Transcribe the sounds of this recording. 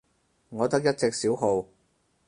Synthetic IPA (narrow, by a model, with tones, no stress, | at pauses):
ŋɔː˨˧t̪ɐ˥k̚jɐ˥t̚t͡sɪ˨k̚siː˨˥wɦo˨˧w